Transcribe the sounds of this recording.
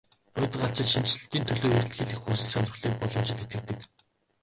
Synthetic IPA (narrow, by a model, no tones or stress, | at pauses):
ʊːt̪̆ɢaɬt͡ɕɪ̆t̪ʃint͡ɕɮ̆t̪iːnt̪ʰɵɮoːjer̆ʲt̪xĭɮɘ̆xuːsɘ̆ɮsœn̆ʲr̆xɮiːk̚pɔɮɞ̆m̥t͡ɕʰɪ̆t̪et̪ɡɘ̆k̚t̪ɘ̆k